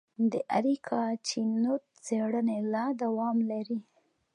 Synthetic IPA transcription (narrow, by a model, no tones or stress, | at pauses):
d̪əʔaɾikʰɑt͡ʃinot̪̚ | t͡seɽənelɑd̪awɑmlaɾi